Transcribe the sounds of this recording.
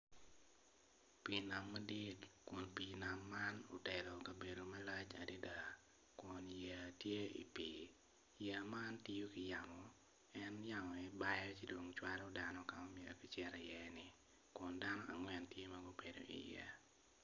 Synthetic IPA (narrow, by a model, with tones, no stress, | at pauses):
pi˨na˨mːa˦di˦tkʊ˨npi˨na˨mːa˦no̰˨tɛ˨lɔ˨kɐ˨be˨do˨ma˦la˦t͡ʃa̰˨di˦da˦ | kʊ˨nja˨tje˦ḭ˨pi˨ | ja˨ma˦nti˦jo˦kɪ˨ja˨mɔ˨ | ɛ˦nja˦mɔ˨ɛ˦ba˦jɔ˦ki˦do˨ŋt͡ʃwa˦ɾɔda˨nɔ˦ka˨ɔ˦mɪe˨ɾo̰˨ki˦t͡ʃɛ˦ɾɛ˨jɛ˨nɪ˨ | kʊ˨nda˦nɔ˦ʔa̰˨ŋwɛ˨ntje˦maɡu˦be˨do̰˨ʔḭ˨jɛ̰˦